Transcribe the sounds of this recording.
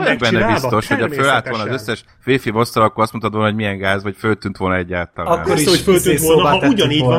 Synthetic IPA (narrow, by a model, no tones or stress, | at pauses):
ɛɡbɛnːɛbist̪o̞ʃhocɒfølaːlt̪ʋolnːzøsːɛʃ | feːfimo̞st̪ɒlɒkːoɾɒst̪monɒt̪ʋonɦoɟʲmijɛŋɡaːzʋɒcfølt̪ynt̪ʋo̞lnɒɛɟːaːlt̪ɒl̰ːoɾifølt̪yʋlnuɟɒniːɟ